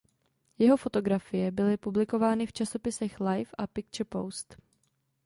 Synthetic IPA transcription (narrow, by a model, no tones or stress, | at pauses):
jɛɦo̞fo̞t̪o̞ɡɾafɪjɛbɪlɪpublɪko̞vaːnɪft͡ʃaso̞pɪsɛxlajfʔapɪkt͡ʃɛpo̰wst̪